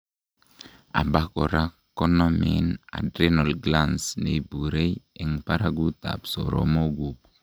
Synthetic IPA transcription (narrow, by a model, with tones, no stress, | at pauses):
a̰˨ba˦kɔ˨ɾa | kːɔ˦nɔmḭna̰˨dɾenɔ˨lɡlansne˨buɾe˦jɛ˨ŋpa˦ɾaɡu˦t̪a̰˨pso̰˨ɾo̰mo˦ɡub